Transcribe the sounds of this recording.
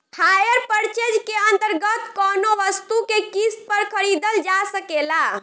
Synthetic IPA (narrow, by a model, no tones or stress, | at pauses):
hajəɾpəɾt͡ʃed͡ʒkeənt̪əɾɡət̪kɔnoʋəst̪ukekispəɾkʰəɾid̪əld͡ʒasəkela